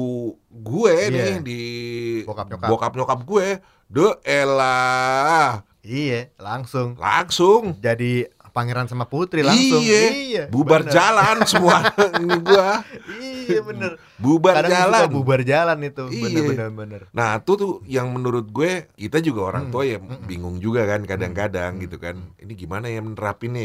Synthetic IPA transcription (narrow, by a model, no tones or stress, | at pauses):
u | ɡueɪdibokakbokap̚ɲokap̚ɡue | dəela | ijelaŋsʊŋla̰ŋsʊŋd͡ʒadi | paŋeɾansamaput̪ɾilaiŋsʊɛijabubard͡ʒalansəmuaniɡuaiabənər | bubaɾadad͡ʒalaabubard͡ʒalanit̪uiəɛənəbənərnaɦt̪ut̪ʊjaŋmənuɾʊt̪̚ɡuɛkit̪ad͡ʒuɡaoɾa̰ŋt̪uajabiŋʊŋd͡ʒuɡakankadaŋkadaŋɡit̪ukanḭniɡimanajamənəɾapɪn